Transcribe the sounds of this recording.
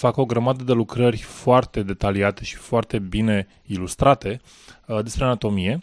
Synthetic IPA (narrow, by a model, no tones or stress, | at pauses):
fako̞ɡɾəmad̪əd̪e̞lukɾərʲfoart̪e̞d̪e̞t̪aliat̪e̞ʃi̥foart̪e̞bine̞ | ilust̪ɾat̪e̞ | d̪e̞spɾe̞anat̪o̞mije̞